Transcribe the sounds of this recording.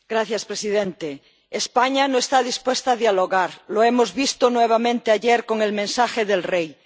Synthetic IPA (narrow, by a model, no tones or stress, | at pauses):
ɡ̥ɾaθjaspɾesiðẽnt̪eː | spaɲanoest̪aðispwest̪aːðjaloɣaɾloemozβist̪onweβ̞amẽnt̪eaʎeɾko̞ŋelmẽnsaxeðelrej